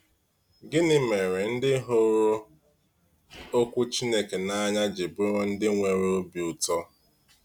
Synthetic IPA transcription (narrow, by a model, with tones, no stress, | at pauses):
ɡɪ˦nɪ˦me˨ɾɪ˨n̩˦dɪ˦ɦo˦ɾo˦ | o˦kʷʊ˦t͡ʃi˦ne˦ke˨na˦ɲa˦d͡ʒɪ˨bʊ˦ɾo˦n̩˦dɪ˦ŋʷe˨ɾe˨o˦bi˨u˨tɔ˦